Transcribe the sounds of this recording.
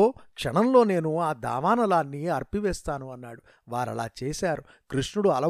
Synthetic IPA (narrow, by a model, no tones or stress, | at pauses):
oːkʂɐɳɐmlo̞ːne̞ːnuaːd̪a̰ːʋaːnɐlaːnːiɐɾpiʋɛːst̪aːnuɐnːaːɽu | ʋaːɾɐ̰la̰ːt͡ʃeːsaːɾu | kɾiʂɳuɽuɐlɐ